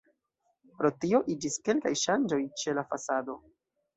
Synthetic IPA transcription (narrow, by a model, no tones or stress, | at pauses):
pɾo̞tio̞ʔid͡ʒiske̞lkajʃand͡ʒo̞jt͡ʃe̞lafasado̞